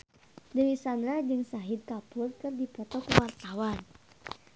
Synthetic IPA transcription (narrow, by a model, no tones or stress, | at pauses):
dəwisanɾad͡ʒɨŋsaɦid̪̚kapʊrkɨrdipɔt̪ɔkəwart̪awan